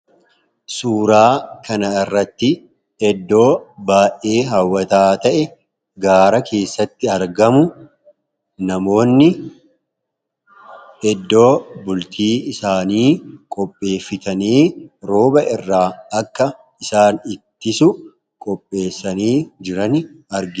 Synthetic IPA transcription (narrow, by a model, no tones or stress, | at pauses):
suːɾaːkɐnɐɪrːɐt̪ːɪ | ɛd̪ːo̞ːbaːʔe̞ːɦɐwːɐt̪aːt̪ɐʔɛ | ɡaːɾɐkʰe̞ːsːɐt̪ːɪɐɾɡɐmʊ | nɐmo̞ːnːɪ | ɛd̪ːo̞ːbʊlt̪ʰiːɪsaːniːkʼɔpʼːe̞ːfːɪt̪ɐniːɾo̞ːbɐɪrːaːɐkːɐ | ɪsaːnɪt̪ːɪsʊ | kʼɔpʼːe̞ːsːɐniːd͡ʒɪɾɐnɐɾɡɪ